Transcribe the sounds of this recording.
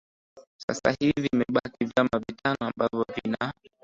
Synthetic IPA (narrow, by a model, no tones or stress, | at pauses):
sasa̰hivimɛɓakivjamavitanɔambavjɔvina